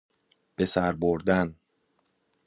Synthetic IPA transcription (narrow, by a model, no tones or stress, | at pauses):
b̥e̞sæɾboɾd̪æn